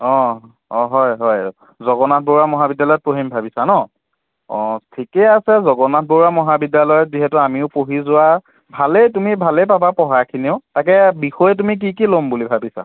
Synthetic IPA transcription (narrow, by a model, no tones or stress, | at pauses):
ɔ̃ | ɔ̃ɦɔjɦɔj | zɔɡɔnat̚ʰboɹamɔɦabidjalɔjɔt̚poɦimbʱabisanɔ | ɔ̃tʰikɛasɛzɔɡɔnat̚ʰboɹamɔɦabidjalɔjɔtziɦɛtʊamiʊpoɦizʊwa | bʱalejtumibʱalejpabapɔɦakʰiniʊtak̬ɛbixɔjɛt̬umik̬ik̬ilombulibʱabisa̰